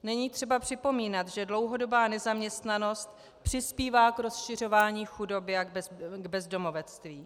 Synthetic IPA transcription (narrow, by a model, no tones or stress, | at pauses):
nɛɲiːt̪r̥ɛbapr̝̥ɪpo̞miːnat̪ʒɛdlo̞wɦo̞do̞baːnɛzamɲɛst̪nano̞st̪ | pr̝̥ɪspiːvaːkɾo̞sʃɪr̝o̞vaːɲiːxudo̞bɪaɡbɛzdo̞mo̞vɛt͡st̪viː